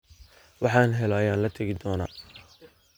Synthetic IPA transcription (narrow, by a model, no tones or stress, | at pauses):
wɑħɑːnɦɛlɔɐjaːnlɐt̪ʰɐɣɪd̪ɔːna̰ː